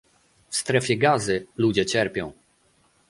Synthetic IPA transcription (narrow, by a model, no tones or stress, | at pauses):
fst̪ɾɛfʲjɛɡazɘlud͡ʑɛt͡ɕɛɾpʲjɔ̃w̃